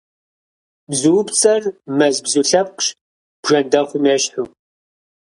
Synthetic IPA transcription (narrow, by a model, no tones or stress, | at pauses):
bzɨwpt͡sʼɐrmɐzbzuɬɐp̚qɕ | b̥ʒɐndɐχʷʊmeɕħu